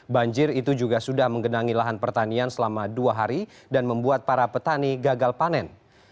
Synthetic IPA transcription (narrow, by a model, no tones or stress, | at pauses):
baɲd͡ʒɪrit̪ud͡ʒuɡasudahməŋɡənaŋilaɦanpərt̪aniansəlamaduaɦaɾi | danməmbuat̪̚paɾapət̪aniɡaɡalpanɛn